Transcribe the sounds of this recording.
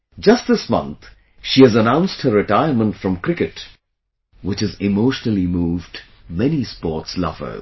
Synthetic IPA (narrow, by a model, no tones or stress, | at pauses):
d͡ʒʌst̚ðɪsmʌ̰̃nt̪ | ʃiɨzənãʊ̃nst̚hə˞ɹɨtaɪə˞mə̃ntfɹʌ̃mkɾɪkɨt | wɪt͡ʃɨzɪmoʊʃnl̩ˠimuːvd | mɛnispɔɹtslʌ̰v̥ə̰˞